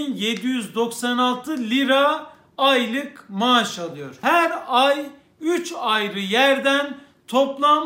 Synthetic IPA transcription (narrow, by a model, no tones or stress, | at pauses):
njed̪ijyzd̪o̞ksanalˠt̪ʰɯlʲiɾaː | jlˠɯkmaʃalˠɯjo̞ɾ̥hæɾaj | yt͡ʃajɾɯjæɾd̪æn | t̪ʰo̞plˠam